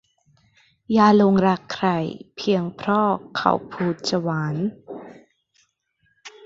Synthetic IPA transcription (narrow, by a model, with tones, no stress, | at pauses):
jaː˧lo˧ŋɾa˦˥kʰːɾa˧˩jpʰi˧əŋpʰɾɔː˥˩kʰa̰˧˩wpʰuː˧t̪̚sa˧waː˩˦n